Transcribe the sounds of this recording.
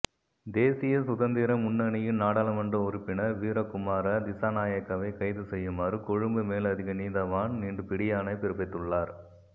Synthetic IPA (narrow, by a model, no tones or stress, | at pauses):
d̪eːsɪjɐsʊðɐnd̪iɾɐmʊnːɐnɪjɪnnaːɽaːlɐmɐndrɐʊɾɪpːɪnɐʋiːɾɐkʊmaːɾɐd̪ɪsaːnaːjɐkːɐʋɐɪkɐɪðɯsɛjːɯmaːɾɯkɔɻɯmbɯmeːlɐðɪɣɐniːðɐʋaːnniːɳɖɯpɪɽɪjaːnɐɪpɪɾɯpɐɪt̪ːɯɭːaːɾ